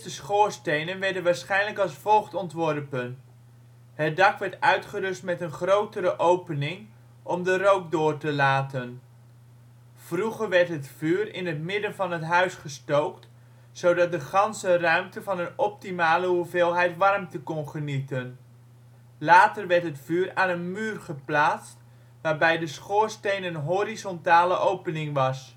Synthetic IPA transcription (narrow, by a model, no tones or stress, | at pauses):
stəsχoːɹstejnənʋɛɹdənʋaːɹsχɛjnləkɑlˠsfɔlˠχtɔntʋɔrpən | ɦət̚dɑkʋɛɹtœɥtχəɾɵstmɛtənχrowtəɾəʔowpənɪŋ | ʔɔmdərowk̚dʊːɹtəlaːtən | v̥ruχəɹʋɛɹtɦətfyːrɪ̰nɦətmɪdənvɑnɦətɦœɥsχəstowkt | sowdɑt̚dəχɑnsərœɥmtəvɑnənɔp̚timaːləɦuvɪːlˠɦɛjtʋɑrmtəkɔnχənitən | laːtərʋɛɹtɦətfyːɾaːnənmyːrχəplaːtst | ʋaːrbɛjdəsχʊːɹstejnənɦoɾizɔntaːləʔowpənɪŋʋɑs